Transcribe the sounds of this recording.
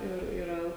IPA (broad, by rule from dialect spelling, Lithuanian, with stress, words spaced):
ˈɪr ɪˈrɐ